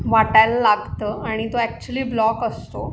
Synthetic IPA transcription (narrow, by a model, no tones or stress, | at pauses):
ʋaʈajlːaɡt̪əaɽ̃it̪oɛk̚t͡ɕuəliːblɔkəst̪o̰